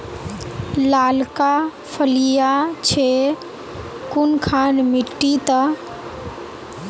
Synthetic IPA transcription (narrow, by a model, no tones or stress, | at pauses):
laːlka | pʰəlijat͡ʃʰe | kunkʰanmiʈːit̪ə